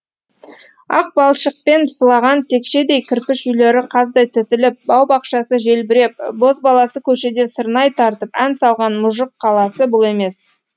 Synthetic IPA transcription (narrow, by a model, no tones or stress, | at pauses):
ɑ̰q̚bɑlˠʃəq̚pe̞nsəlˠɑʁɑnt̪ʰe̞kʃe̞d̪e̞jkʲʰɪɾpɪʃʏjle̞ɾɪqʰɑzd̪ɑjt̪ʰɪt̪ɪlɪp̚bɑwbɑqʃɑsəʒe̞lbɪɾe̞p̚bo̞zbɑlˠɑsəkʲʰɵʃe̞d̪e̞səɾnɑjt̪ʰɑɾt̪əpænsɑlˠʁɑnmʊʒəqʰːɑlˠɑsəbʊlˠe̞me̞s